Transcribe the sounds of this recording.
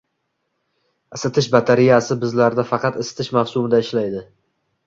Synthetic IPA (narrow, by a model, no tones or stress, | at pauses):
ɪsɪt̪ʰɪʃbat̪ʰaɾijasɪbɪzlaɾd̪afɑqɑt̪ɪsɪ̥t̪ʰɪʃmafsʊmɪd̪aɪʃlajd̪ɪ